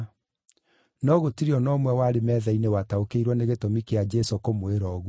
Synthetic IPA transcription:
nɔɣotiɾiɔnɔmwɛwaɾemɛːðainewataokeiɾwɔneɣetomikead͡ʒɛsokomoeɾɔːɣu

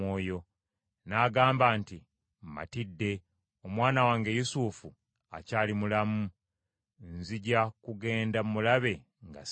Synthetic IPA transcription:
oːjo̞ | naːɡaːmbaːnti | mma̰tidːe̞ | omwaːnawaːŋɡe̞jusuːfu | a̰caːlimulamu | nziɟakuɡe̞ːndamumulaβe̞ | ŋɡa̰

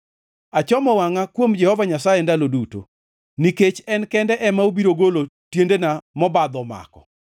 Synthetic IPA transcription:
at͡ʃɔmɔwaŋakwomd͡ʒɛhɔvaɲasajɛndaloduto̰ | niket͡ʃɛnkɛndɛʔɛmaobiɾoɡolotjendenamɔbad̪ɔma̰kɔ̰

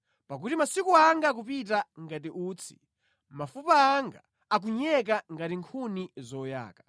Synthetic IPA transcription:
pak̬utimasikuaŋɡak̬upitaŋɡatiʔuːt͡sʰi̥̰ | mafupaːŋɡa̰ | ak̬uɲɛk̬aŋɡatiŋkʰunizɔja̰ːka

